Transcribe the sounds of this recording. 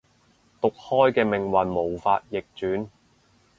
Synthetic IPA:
t̪ʊ˨k̚hɔː˥jkɛː˧mɪ˨˩ŋwɐ˨nmo˨˩wfaː˧t̚jɪ˨k̚t͡ʃyː˨˥n

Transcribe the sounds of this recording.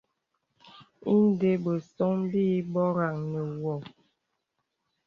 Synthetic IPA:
i˦n˦de˦bə˨sɔ˦ŋ˦biː˦bɔ˦ɾa˨ŋnə˨wɔ˨

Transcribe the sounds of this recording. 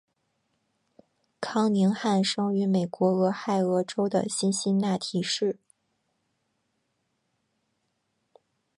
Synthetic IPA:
kʰɑ˥ŋni˧˥ŋxa˥˩nʂɤ˥ŋy˧˥me˨˩ɪkwɔ˧˥ɤ˧˥xa˥˩ɪɤ˧˥ʈ͡ʂo˥ʊd̪ə̰˨ɕi˥˧nɕi˥nna˥˩t̪ʰi˧˥ʂɻ̩˥˩

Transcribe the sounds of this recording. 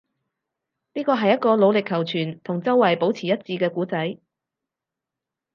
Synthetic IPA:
niː˥kɔː˧ɦɐ˨jːɐ˥t̚kɔː˧lo˨˧wlɪ˨kʰːɐ˨˩wt͡ʃʰyː˨˩nt̪ʰʊ˨˩ŋt͡sɐ˥wwɐ˨˩jpo˨˥wt͡sʰiː˨˩jɐ˥t̚t͡siː˧kɛː˧kuː˨˥t͡sɐ˨˥j

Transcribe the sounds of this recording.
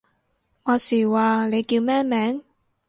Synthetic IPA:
ŋɔː˨˧siː˨˩waː˨le˨˧jkiː˧wmɛː˥mɛː˨˥ŋ

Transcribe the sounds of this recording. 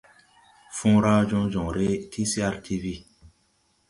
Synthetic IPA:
fũ˦ɾa˦d͡ʒũ˦d͡ʒɔ̃˨ɾe˦tʰi˦si˦a˦ɾtʰi˦vi˦

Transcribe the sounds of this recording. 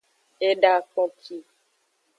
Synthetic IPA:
e˦ɖa˦k͡pɔ˦kʰi˦

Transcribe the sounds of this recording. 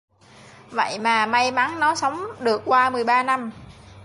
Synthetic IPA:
və̰˧˨jmaː˨˩ma˧jma˨˦nnɔ˨˦sə˨˦wŋ͡mɗɨ˨˩əkːwaː˧mɨ˨˩əjɓaː˧na˧m

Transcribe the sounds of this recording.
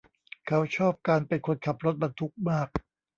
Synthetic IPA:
kʰa˦˥wt͡ɕʰɔː˥˩p̚kaː˧npe˧nkʰo˧nkʰa˨˩p̚ɾo˦˥t̪̚ba˧nt̪ʰu˦˥k̚maː˥˩k̚

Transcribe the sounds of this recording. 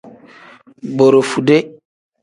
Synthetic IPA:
bo˨ɾo˨fu˨de˦

